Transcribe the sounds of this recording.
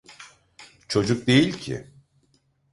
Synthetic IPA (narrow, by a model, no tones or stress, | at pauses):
t͡ʃʰo̞d͡ʒuk̚d̪e̞jilʲcʰɪ̰